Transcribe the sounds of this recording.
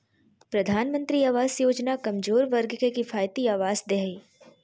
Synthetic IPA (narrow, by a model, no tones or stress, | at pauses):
pɾɐd̪ʱaːnmə̃nt̪ɾiaːʋaːzjoːd͡ʒnakɐmzoːɾʋɐɾɡkekifʰaːjt̪iaːʋaːzd̪eɦiː